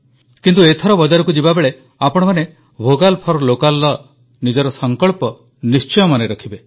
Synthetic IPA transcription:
kint̪uet̪ʰɔɾɔbɔd͡ʒaɾɔkud͡ʒibabeɭe | apɔɽ̃ɔmane | bʱoɡalpʰɔɾlokalːɔ | nid͡ʒɔɾɔsɔŋkɔɭpɔ | nist͡ʃɔjɔmaneɾɔkʰibe

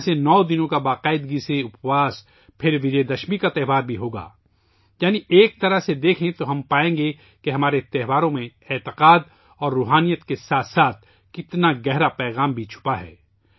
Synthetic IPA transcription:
senɔːd̪ɪnõkabaːqaːɪd̪ɡiseʊpwaːs | pʰɪɾʋɪd͡ʒed̪ɐʃmikat̪ɛːʋaːɾbʱiɦoːɡa̰ː | jaːniʔeːk̚t̪ɐɾəɦsed̪eːkʰẽt̪oɦɐmpaːẽːŋɡe | keɦɐmaːɾet̪ɛɦʋaːɾõmẽɛːt̪ɪqaːd̪ | ɔːɾːuːɦaːnijət̪kesaːt̪saːt̪̚ʰ | kɪt̪naɡɛɦɾapɛːɣaːmbʱit͡ʃʰʊ̥paɦɛ̰ː

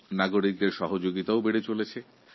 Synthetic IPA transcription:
naɡoɾik̚d̪eɾʃɔɦod͡ʑoɡit̪aobeɽet͡ɕolet͡ɕʰe

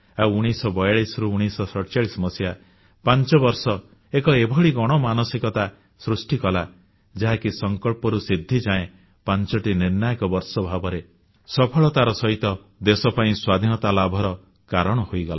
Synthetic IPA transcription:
awuɽ̃isɔbɔjaɭisɾuːɽ̃isɔsɔɾt͡ʃaɭisɔmɔsja | pant͡ʃɔbɔɾsɔ | ekɔebʱɔɭiɡɔɽ̃ɔmanɔsikɔt̪a | sɾusʈikɔla | d͡ʒaɦakisɔŋkɔɭpɔɾusid̪ʱːid͡ʒaẽ | pant͡ʃɔʈiniɾnajɔkɔbɔɾsɔbʱabɔɾe | sɔpʰɔɭɔt̪aɾɔsɔɦit̪ɔ | d̪esɔpaĩswad̪ʱinɔt̪alabʱɔɾɔ | kaɾɔɽ̃ɔhojɡɔla̰

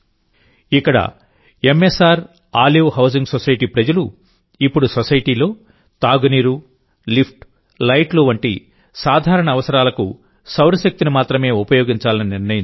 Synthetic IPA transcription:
ikːɐɽɐ̰ | e̞mːesaːɾ | aːljuːɦɐws̬iŋɡsosɐjʈiːpɾɐd͡ʒɐlu | ipːuɽusosɐjʈiːlo̞ː | t̪aːɡniːɾu | lipʰʈ | lɐjʈluʋɐɳʈḭ | saːd̪ʱaːɾɐɳɐːʋɐsɐɾaːlɐkṵ | sɐwɾɐʃɐk̚t̪inimaːt̪ɾɐme̞ːupɐjo̞ːɡiɲt͡ʃaːlɐniniɾnɐji

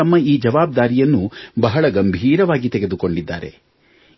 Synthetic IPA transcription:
ɐmːɐiːd͡ʒɐʋaːb̚d̪aːɾijɐnːubɐɦɐɭɐɡɐmbʱiːɾɐʋaːɡit̪ɛɡe̞d̪uko̞ɳɖid̪ːa̰ːɾe̞̰

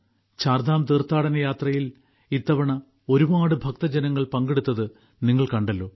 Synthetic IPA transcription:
t͡ɕaːrd̪aːmt̪iːrt̪ːaːɽɐnɐjaːt̪rɐjil | it̪ːɐʋɐɳɐ | o̞ɾuʋaːɽɨbʱɐk̚t̪ɐd͡ʑɐnɐŋːɐɭpɐŋɡeɽut̪ːɐðɨ | niŋːɐɭkɐɳɖɐlːo̞ː

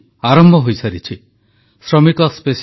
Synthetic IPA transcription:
aɾɔmbʱɔɦojsaɾit͡ʃʰi | sɾɔmikɔspes

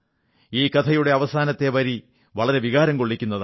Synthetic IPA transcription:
iːkɐt̪ʰɐjuɽe̞ɐʋɐsaːnɐt̪ːe̞ʋɐɾi | ʋɐɭɐɾe̞ʋiɣaːɾɐmko̞ɭːikʲːunːɐð

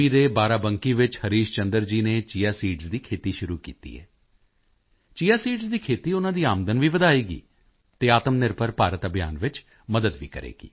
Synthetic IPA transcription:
iːd̪eːbaːɾaːbəŋkiːʋɪt͡ʃhəɾiːʃt͡ʃənd̪əɾd͡ʒiːneːt͡ʃiːaːsiːʈzd̪iːkʰeːt̪iːʃʊɾuːkḭːt̪ḭːɛ̰ː | t͡ʃiːaːsiːʈzd̪iːkʰeːt̪iːʊnãːd̪iːaːmd̪ənʋiːʋəd̪aːiːɡḭː | t̪eːaːt̪əmnɪɾpəɾpaːɾət̪əbʱɪja̰ːnʋɪt͡ʃ | məd̪əd̪ʋiːkə̰ɾḛːɡḭː

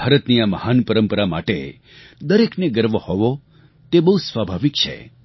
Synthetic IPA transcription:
aɾət̪nijaməhanpəɾəmpəɾama̰ʈḛ | d̪əɾekneɡəɾʋohɔʋo | t̪ebəɦusʋabʱaʋik̚t͡ʃʰḛ

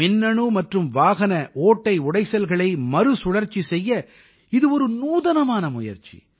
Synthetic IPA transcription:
ɪnːɐɳuːmɐʈrɯmʋaːɣɐnɐʔoːʈːɐɪʊɽɐɪsɐlɣɐɭɐɪmɐɾɯsʊɽɐɾt͡ʃisɛjːɐ | ɪðɯɔɾɯnuːðɐnɐmaːnɐmʊjɐ̰ɾt͡ʃḭ

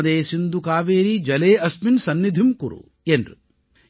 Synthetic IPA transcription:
ɐd̪eːsind̪ukaːʋeːɾid͡ʒɐleːɐsminsɐnːid̪ʱimkuɾṵ | enrṵ

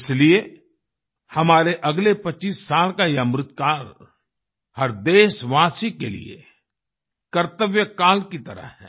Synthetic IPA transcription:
ɪslie | hɐmaːɾeʔɐɡlepɐt͡ʃːiːsːaːlkajamɾɪt̪kaːl | hɐɾd̪eːʃʋaːsikelḭḛ | kɐɾt̪əʋjəkaːlkit̪ɐɾə̰ɦɦɛ̰ː

